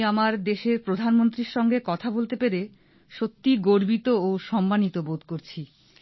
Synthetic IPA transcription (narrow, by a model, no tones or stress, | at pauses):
amaɾd̪eʃeɾpɾod̪ʱanmont̪ɾiɾʃɔŋɡekɔt̪ʰabolt̪epeɾe | ʃot̪ːiɡoɾbit̪oːʃɔmbanit̪obod̪̚ʱkoɾt͡ɕʰi